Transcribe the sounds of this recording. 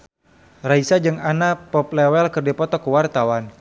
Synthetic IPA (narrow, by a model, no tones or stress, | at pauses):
raisad͡ʒɨŋanapɔp̚lɛwɛlkɨrdipɔt̪ɔkuwart̪awan